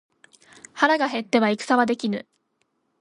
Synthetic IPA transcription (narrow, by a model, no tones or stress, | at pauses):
haɾaɡaɦe̞t̪ːe̞βaikɯ̟̥saβad̪e̞kʲinɯ